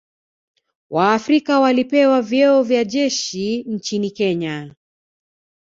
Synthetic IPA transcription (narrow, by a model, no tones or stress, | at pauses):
wʔaːfɾikawalipɛwavjɛɔvjaʄɛʃin̩t͡ʃinikɛɲa